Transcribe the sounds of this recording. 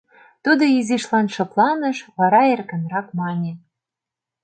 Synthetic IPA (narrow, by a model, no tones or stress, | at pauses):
t̪ud̪ŏiziʃlɑnʃɤ̆plˠɑnɤ̆ʃβɑɾɑerkə̆nɾɑkmɑnʲe